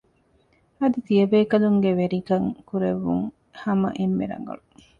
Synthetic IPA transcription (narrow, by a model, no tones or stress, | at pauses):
ɐd̪it̪iɐbeːkɐluŋɡeʋeɾikɐŋkuɾeʋːṵŋ | hɐmɐ̰ʔemːḛɾɐ̰ŋɡɐ̰ɭu